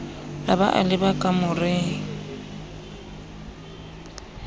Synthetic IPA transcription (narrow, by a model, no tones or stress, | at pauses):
abaʔa̰lɪbakʼamʊrɪːŋ